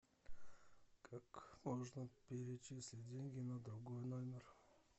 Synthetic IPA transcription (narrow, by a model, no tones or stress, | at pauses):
kʰakmoʐnəpʲɪɾʲɪt͡ɕisʲlʲɪt̚ʲdʲenʲɡʲɪnəd̪ɾʊɡojnomʲɪr